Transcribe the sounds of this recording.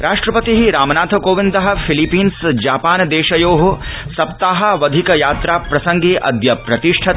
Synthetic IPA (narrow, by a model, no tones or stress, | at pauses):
ɾaːʂʈɾɐpɐt̪iɦiɾaːmɐnaːt̪ʰɐkoːʋind̪ɐɦɐ̆fʰilipiːnsd͡ʒaːpaːnd̪eːʃɐjoːɦosɐpt̪aːɦɐ̆ʋɐd̪ʱikɐjaːt̪ɾaːpɾɐsɐŋɡeːʔɐ̰d̪jɐpɾɐt̪iʂʈʰɐ